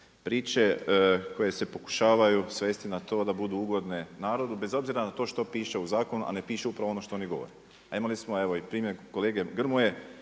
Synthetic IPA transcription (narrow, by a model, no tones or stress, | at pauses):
pɾiːt͡ʃe̞ko̞je̞se̞po̞ku̥ʃaːʋajusʋest̪inat̪o̞ːd̪abud̪uuɡo̞d̪nenaːɾo̞d̪ube̞zo̞bziɾanat̪o̞ːʃt̪o̞piːʃeuzaːko̞nuʔa̰ne̞piːʃeupɾaʋoonoʃt̪ooniɡo̞ʋo̰ɾe | aimalismoe̞ʋo̞ipɾiːmjeko̞leːɡe̞ɡr̩muje